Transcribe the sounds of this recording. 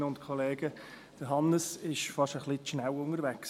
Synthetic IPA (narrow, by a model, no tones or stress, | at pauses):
ʊntkʰɔleːɡ̥ə | d̥əɦɑnəsɪʃfɑʃəχlɪtʃnæwʊŋəɾvæks